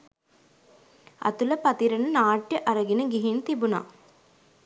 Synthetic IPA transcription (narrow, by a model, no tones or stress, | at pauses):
ɐ̰t̪ulɐpɐt̪iɾənənaːʈjəʔɐɾɐɡinəɡiɦint̪ibuna̰ː